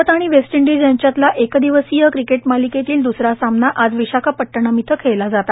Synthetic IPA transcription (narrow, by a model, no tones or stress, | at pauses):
ət̪aɽ̃iʋesʈiɳɖid͡zjaɲt͡ɕjat̪laʔekd̪iʋəsijəkɾikeʈmaliket̪iːld̪usɾasamnaʔad͡zʋiɕakʰapəʈːəɳamit̪ʰəkʰejlad͡zat̪a